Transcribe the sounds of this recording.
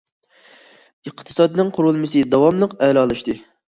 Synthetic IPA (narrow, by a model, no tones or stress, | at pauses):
ɨqʰt̪ʰɨ̥sɑd̪ɨnɨŋqʰʊɾulˠmɨsɨd̪ɑwɑmlˠəqɛlɑlˠɨʃt̪ɨ